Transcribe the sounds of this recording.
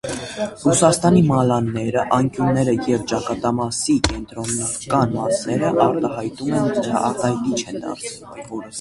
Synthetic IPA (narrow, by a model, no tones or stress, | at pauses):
rusɑst̪ɑnimɑlɑnːɛɾəʔɑŋkjunːɛɾəjɛvt͡ʃɑkɑt̪ɑmɑsikɛnt̪ɾɔnːkɑnmɑsnɛɾəʔɑɾt̪ɑɦɑjt̪umɛnɑ̰ɾt̪ɑjt̪it͡ʃʰɛnd̪ɑ̰ɾt͡sʰvumvɔɾəs